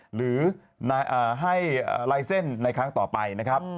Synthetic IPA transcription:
ɾɯː˩˦ | na˧jʔaː˨˩ɦa˥˩jʔːlaː˧jse˥˩nːa˧jkʰɾa˦˥ŋt̪ɔː˨˩pa˧jna˦˥kʰɾa˦˥p̚

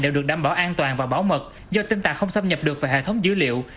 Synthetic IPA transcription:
ɗe˨˧˩wɗɨ˨˩ək̚ɗaː˧˩mɓɔ˧˩ʔaː˧nt̪waː˨˩nvaː˨˩wɓa˧˦wmə˨˩t̚ | zɔ˧t̪ï˧ŋ̟t̪aː˨˩kxə˧wŋ͡msə˧mɲə˨˩p̚ɗɨ˨˩ək̚vaː˨˩jhḛ˧˨˩t̪ʰə˨˦wŋ͡mzɨ˨˧˦lḭ˧˨əw

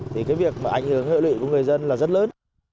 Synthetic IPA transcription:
t̪ʰi˨˩kaː˨˦jvi˨˩ək̚maː˨˩ʔa˧˩jŋ̟hɨ˨˩əŋhḛ˧˨lwḭ˧˨ku˧˩ŋ˨˩əjzə˧nlaː˨˩zə˦˥t̚ləː˨˦n

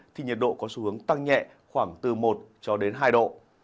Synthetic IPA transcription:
t̪ʰi˨˩ɲə˨˩t̚ɗo̰˧˨kɔ˨˦su˧˦hɨ˨˦əŋt̪a˧ŋɲɛ̰˧˨ | xwaː˧˩ŋt̪ɨ˨˩mo˨˩t̚t͡ɕɔ˧ɗe˨˦nɦaː˧jɗo̰˧˨

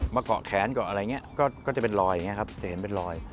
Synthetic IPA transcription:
ma˨˦˥kɔ̰˧˨xɛː˨˦nkɔ̰˧˨ʔla˨˦ɲɛ˨˦kɔ˨˦kɔː˨˦t̪i˨˩ɓe˧nlɔ˨˩jŋɛ˧xaː˦˥p̚t̪ʰi˨˩hnɓe˧nlɔ˨˩j

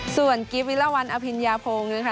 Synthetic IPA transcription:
su˨˩ənki˦˥p̚wi˦˥la˧˩˨wa˧nʔa˧pʰi˧njaː˧pʰoː˧ŋɯ˧˦˥kʰa˦˥

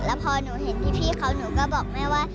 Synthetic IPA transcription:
lɛː˦˥wpʰɔː˧nuː˩˦ɦe˨˩˦np̪ʰiː˥˩pʰiː˥˩kʰa˦˥wnuː˩˦kɔː˥˩bɔː˨˩k̚maː˥˩jwaː˥˩

